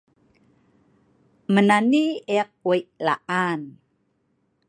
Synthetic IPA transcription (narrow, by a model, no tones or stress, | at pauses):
mənanieq̚wəjʔlaʔan